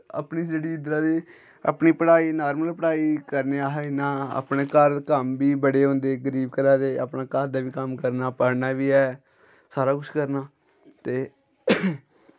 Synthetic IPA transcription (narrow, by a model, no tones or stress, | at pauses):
a̰pniːd͡ʒeːɽiːɪd̪ɾaːd̪eː | a̰pniːpəɽaːiːnaːɾməlpəɽaːiːkəɾneːaːɦɛnãːa̰ːpneːkəɾkəmbiːbəɽeːɦõːnd̪eːɡəɾiːbkəɾaːd̪eːa̰ːpɳaːkəɾd̪aːʋiːkəmkəɾnaːpəɾnaːʋiːɛː | saːɾaːkʊʃʰkəɾnaː | t̪eː